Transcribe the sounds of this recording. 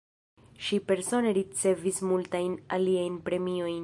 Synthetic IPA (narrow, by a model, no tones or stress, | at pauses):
ʃipe̞ɾso̞ne̞ɾit͡se̞vismultajnaliajnpɾe̞mio̞jn